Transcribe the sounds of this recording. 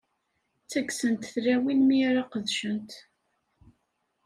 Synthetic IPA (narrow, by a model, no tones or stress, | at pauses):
t͡sːæɡsənt̪θlæwinmiɾaqəðʃənt̪